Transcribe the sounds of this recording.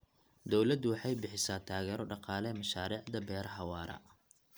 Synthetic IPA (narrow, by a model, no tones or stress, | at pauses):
d̪ɔwlɐd̪ʊwɑħɑjbɪħɪsaːt̪ʰaːɣɛːɾɔɖɑqɑːlɛmɐʃaːɾiːʕd̪ɐbɛːɾɐħɑwɑːɾɐ̰